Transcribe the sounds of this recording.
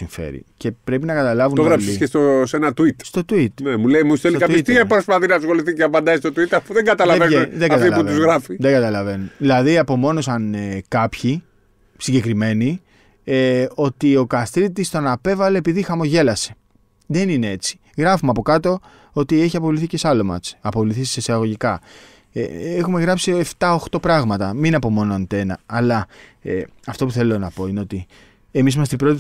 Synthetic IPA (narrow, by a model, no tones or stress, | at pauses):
iɱfḛɾḭce̞pɾe̞pinɐkɐt̪ɐlɐvunt̪oɣɾɐsisest̪osenɐt̪uit̪st̪o̞t̪uit̪nemuleimustelikɐpeit̪iɐpɾospɐθinɐsxo̞liθiceɐpɐnd̪ɐist̪ot̪uit̪ɐfuðeŋɡɐt̪ɐlɐveneðeɡɡɐt̪ilpuvuzɣɾɐfiðeɡɐt̪ɐlɐve̞nuðilɐðiɐpo̞mo̞no̞sɐnekɐpçi | siɲɟe̞kɾime̞ni | eo̞t̪io̞kɐst̪ɾit̪ːist̪onɐpe̞vɐle̞ːpiðixɐmo̞ʝe̞lɐse̞̥ | ðe̞ninee̞t͡si̥ | ɣɾɐfumeɐpo̞kɐt̪o̞ | o̞t̪ie̞çiɐpo̞vliθice̞sɐlomɐ̰t͡sɐpo̞vliθissesiɐɣoʝikɐ | eexume̞ɣɾɐpsie̞ft̪ɐoxt̪o̞pɾɐɣmɐt̪ɐminɐpo̞mo̞noɐnt̪enɐːlɐe | ɐft̪o̞puθe̞lo̞nɐpo̞ineo̞t̪i | emisimɐst̪ibɾo̞t̪i